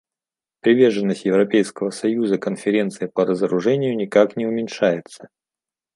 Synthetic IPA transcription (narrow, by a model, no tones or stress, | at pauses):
pɾʲɪvʲe̞rʐɨnːəsʲtʲjɪvɾɐpʲejskəvəsɐjuzəkənfʲɪɾʲe̞nt̪sɨjɪpəɾəzəɾʊʐɛnʲɪjʊnʲɪkaknʲɪʊmʲɪnʲʂajɪt̪sə̥